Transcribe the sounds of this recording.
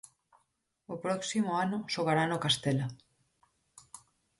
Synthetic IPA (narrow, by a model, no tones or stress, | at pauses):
opɾɔksimoanoʃoɣ̞aɾanokast̪ela